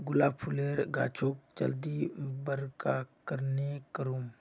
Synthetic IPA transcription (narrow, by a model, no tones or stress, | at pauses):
ɡʊlaːpʰʊleːɾɡa̰ːt͡ʃʰoːkt͡ʃə̰ld̪ibəɾkakəɾnekəɾuːm